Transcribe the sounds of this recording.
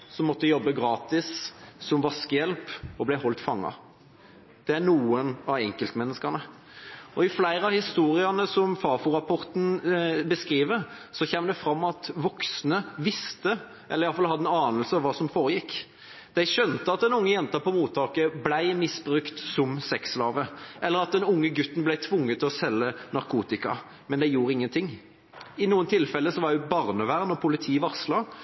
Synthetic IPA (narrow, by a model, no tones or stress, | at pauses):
sɔmːɔt̪ːəjɔbːəɡɾɑːt̪ɪssɔmʋɑskəjɛlpɔblæɪhɔlt̪fɑŋːɑ̰ | d̪̥ɛænuːənɑɛŋkəlt̪mɛnːəskənə | ɔɪflæɪɾəɑhɪst̪uːɾɪənəsɔmfɑːfʊɾɑpʰɔɾt̪n̩bəskɾiːʋəɾsɔçɛːmd̪ɛfɾɑmːɑt̪ʋɔksnəʋɪst̪ə | ʔɛləɾɪɑlfɑlhɑd̪ənɑːnəlsəɑʋʋɑːsɔmfoːɾəjɪkː | d̪̥æɪʃœnt̪əɑt̪̚d̪ɛnʊŋːəjɛnt̪ɑpɔmuːt̪ʰːɑːkəblæɪmɪsbɾʉkt̪sɔmsɛkslɑːʋəʔɛlːəɾɑt̪̚d̪ɛnʊŋːəɡʉt̪ːn̩blæɪt̪ʰʋʊŋːət̪ʰːɪlɔsɛlːənɑɾkʰuːt̪ɪkɑ̰ | mɛnd̪ɛjuːɾəɪŋːənt̪ʰɪŋː | ɪnuːənt̪ʰɪlfɛlːəsɔʋɑɾdɛbɑʁnəʋæʁnɔpʰʊlɪt̪ʰiːʋɑʁslɑ